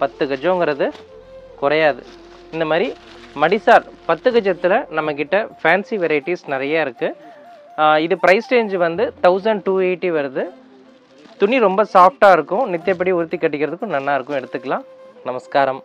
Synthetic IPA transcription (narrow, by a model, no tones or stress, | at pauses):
pɐt̪ːɯkɐd͡ʒõːŋɡɪɾɐðɯ | kʊɾɐjaːðɯ̰ | ɪnd̪ɐmaːd̪ɾi | mɐɽisaːɾpɐt̪ːɯɣɐd͡ʒɐt̪ːɪlɐnɐmːɐkːɪʈːɐfaːnsiʋɛɾɐjɪʈːisnɪɾɐjaːɪɾɯkːɯ | ɪðɯpɪɾɐɪsʈeːnd͡ʒʋɐnd̪ɯt̪ɐʊsɐɳɖʈuːeːʈːiʋɐɾɯðɯ | t̪ʊnːiɾɔmbɐsaːfʈaːɪɾɯkːʊ̃nɪt̪ːɪjɐp̬ːɐɽiʊɾɯt̪ːikːɐʈːɪkːɪɾɐðɯkːʊ̃nɐnːaːɪɾɯkːʊ̃ɛɽɯt̪ːɯkːɐlãːnɐmɐskaːɾɐm